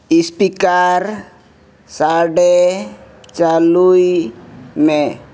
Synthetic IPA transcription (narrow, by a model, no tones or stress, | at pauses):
ispikaɾ | saɖe | t͡ʃalui | mẽ